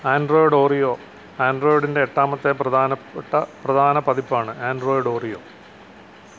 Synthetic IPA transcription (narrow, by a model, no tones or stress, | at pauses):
aːnɖroːjɽo̞ːrijoː | aːnɖroːjiɽinde̞ːʈːaːmɐt̪ːe̞prɐd̪aːnɐpʈːɐprɐd̪ʱaːnɐpɐðipːaːɳɨaːnɖroːjiɽo̞ːrijo̞̰ː